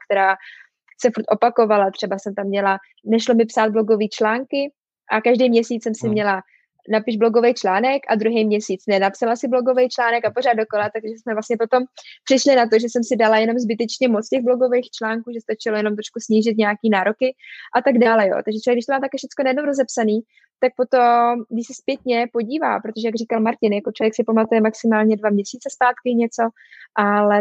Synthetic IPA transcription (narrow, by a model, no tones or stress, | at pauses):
kt̪ɛɾaː | sɛfuɾt̪ʔo̞pako̞valat̪r̝̥ɛbasɛmt̪amːɲɛla | nɛʃlomɪpsaːd̪̚blo̞ɡo̞viːt͡ʃlaːŋkɪ | ʔakaʒdejmɲɛsiːt͡ssɛmsɪmɲɛla | napɪʒblo̞ɡovejt͡ʃlaːnɛkʔa̰d̪ɾuɦejmɲɛsiːt͡snɛnapsalasɪblo̞ɡo̞vejt͡ʃlaːnɛkapo̞ɾaːd̪̚doko̞lat̪aɡʒɛsmɛvlast̪ɲɛpo̞t̪o̞mpr̥ɪʃlɪnat̪o̞ʒɛsɛmsɪdalajɛno̞mzbɪt̪ɛt͡ʃɲɛmot͡scɛɣblo̞ɡo̞vejxt͡ʃlaːŋkuːʒɛst̪at͡ʃɪlojɛno̞mt̪ɾo̥ʃkusɲiːʒɪt̪ɲɛakiːnaːɾo̞kɪʔat̪aɡdaːlɛjo̰ːt̪aɡʒɛt͡ʃovjɛɡdɪʃt̪omaːmt̪akɛfʃɛt͡skonajɛdnomwɾo̞zɛpsaniː | t̪ak̚po̞t̪omɡdɪʃsɛspjɛt̪ɲɛpo̞ɟiːva̰ːpɾot̪oʒɛjaɡr̝ikalmaɾcɪnjakot͡ʃlojɛksɪpamat̪ujɛmaksɪmaːlɲɛdvamɲɛsiːt͡sɛspaːt̪kɪɲɛt͡so̞ | ʔalɛ